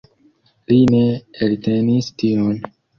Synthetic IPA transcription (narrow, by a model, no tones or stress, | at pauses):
lineeltenistion